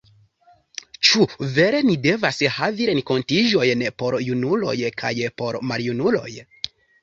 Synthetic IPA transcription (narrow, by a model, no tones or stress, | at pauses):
t͡ʃuve̞ɾe̞nide̞vashaviɾe̞ŋko̞ntiʒo̞jnpo̞ɾjunulo̞̰jkʰa̰jpo̞ɾmaljunulo̞̰j